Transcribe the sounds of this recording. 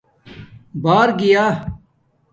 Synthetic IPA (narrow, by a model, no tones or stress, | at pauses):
baːɾɡɪjaː